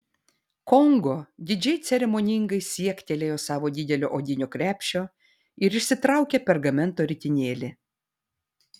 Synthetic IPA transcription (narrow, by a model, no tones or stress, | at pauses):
kɔŋɡoːd̪ʲɪd͡ʒʲɛɪt̪sʲɛɾʲɛmoːnʲɪŋɡɐɪsʲiɛkt̪ʲeːlʲeːjoːsɑːʋoːd̪ʲɪd̪ʲɛlʲo̰ːʔoːd̪ʲɪnʲoːkɾʲæːpʲʃʲoː | ɪɾɪʃʲsʲɪt̪ɾɑˑʊkʲepʲɛɾɡɐmʲɛnˑt̪oːɾʲɪt̪ʲɪnʲeːlʲɪ